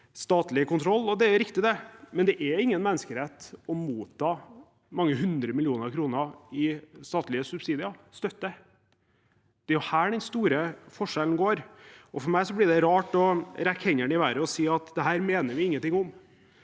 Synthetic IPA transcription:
st̪ɑːt̪lɪkʊnt̪ʰɾɔlːɔd̪ɛɾɾɪkt̪ɪd̪ɛmɛnd̪ɛʔɛɪŋːənmɛnːəskəɾɛt̪ɔmuːt̪ʰɑː | mɑŋːəɦʉnd̪ɾəmɪlɪuːnəɾɑkʰɾuːnəɪst̪ɑːt̪lɪəsʉbsiːd̪ɪɑst̪œt̪ːə | d̪̥ɛæɾjʊhæːɖɛnst̪uːɾəfɔʂɛln̩ɡoːɾʔɔfɔɾmæɪsɔblɪɖɛɾɑːʈɔɾækʰɛŋəɳɪʋæɾəɔsiːɑt̪d̪ɛɦæːɾmeːnəɾʋɪɪŋːənt̪ɪŋːʊm

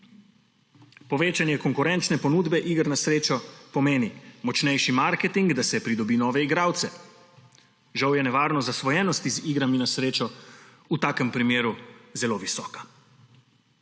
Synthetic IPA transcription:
pɔʋeːt͡ʃanjɛkɔŋkuɾɛnt͡ʃnɛpɔnuːd̪bɛʔiːɡɾnasɾeːt͡ʃɔpɔmeːnimɔt͡ʃnɛjʃimaɾkɛt̪iŋɡd̪asɛpɾid̪ɔbiːnɔːʋɛiɡɾaːwt̪sɛ | ʒawjɛnɛʋaːɾnɔzasʋɔjɛnɔst̪iziːɡɾaminasɾeːt͡ʃɔ | ut̪aːkəmpɾimeːɾuzɛloʋisɔːkḁ

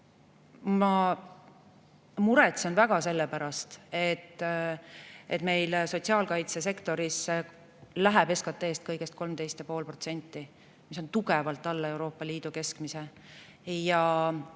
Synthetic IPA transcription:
mɑ | muɾet̪sɑnvæɡ̥ɑse̞lːepæɾɑst̪e̞t̪ː | et̪me̞jlso̞t̪siɑːlkɑjt̪se̞s̬e̞kt̪o̞ɾis | læɦæbe̞skɑt̪ːˑe̞ːst̪̚kɤjɡ̥e̞st̪̚ko̞lmt̪e̞jst̪jɑpo̞ːlpro̞t̪se̞nʲt̪ːˑi | miso̞nt̪uɡevɑlt̪ːˑɑlːɑe̞wɾo̞ːpːˑɑliːd̪̥uke̞skmise | jɑ

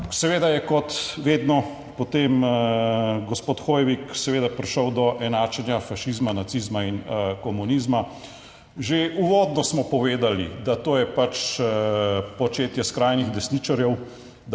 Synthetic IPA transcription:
sɛʋeːd̪ajɛkɔt̪ʋeːd̪nɔ | pɔt̪eːm | ɡɔspoːt̪xoːjɛʋiksɛʋeːd̪apɾiʃɔwd̪ɔʔɛnaːt͡ʃɛnjafaʃizmanat̪sizmainkɔmuniːzma | ʒeuʋɔːd̪nɔsmɔpɔʋeːd̪alḭd̪at̪oːjɛpat͡ʃ | pɔt͡ʃeːt̪jɛskɾajniɣd̪ɛsniːt͡ʃaɾjɛw̪

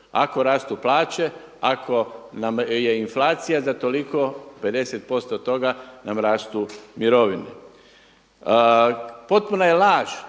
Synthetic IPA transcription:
a̰ko̞ɾaːst̪uplˠaːt͡ɕe̞ | akʰo̞namje̞inflaːt̪sijazat̪o̞liko̞pe̞d̪e̞set̪̚po̞st̪ot̪o̞ɡanamɾaːst̪umiɾo̞ʋine | po̞t̪̚punajelaːʒ̥

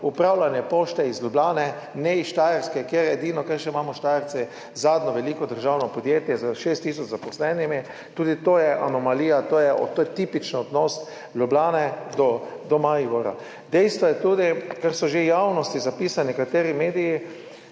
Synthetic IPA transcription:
upɾawlanjɛpoːʃt̪ɛizlʲublaːnɛ | nɛiʃt̪aːjəɾskɛkjeɾjɛɛd̪iːnɔkɛɾʃɛimaːmɔʃt̪aːjəɾt͡ssɛ | zaːd̪nɔʋɛliːkɔd̪əɾʒawnɔpɔd̪jeːt̪jɛzəʃest̪ːiːs̬ɔt͡ʃzapɔslɛnimi | t̪uːd̪it̪ojɛʔanɔmaliːjat̪ojɛt̪ːojɛt̪iːpit͡ʃnaɔd̪nɔst̪ | lʲjublaːnɛd̪ɔd̪ɔmaiɡɔɾa̰ | d̪ɛjst̪ʋɔjɛt̪uːd̪ikaɾsɔʒejawnɔst̪izapiːsanɛkat̪eːɾimeːd̪iji

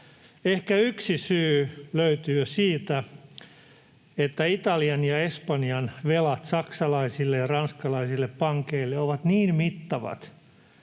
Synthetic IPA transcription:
ehkæyksisyːløyt̪ysiːt̪æ | et̪ːæit̪ɑliɑnjɑespɑniɑnʋelɑt̪sɑksɑlɑisilːejɑrɑnskɑlɑisilːeppɑŋkeilːeoʋɑt̪niːnmit̪ːɑʋɑ̰t̪

